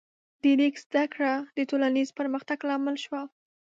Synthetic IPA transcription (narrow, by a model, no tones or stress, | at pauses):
d̪̥əlikzd̪akɽad̪ət̪olanizpəɾməxt̪aɡlɑməlʃwa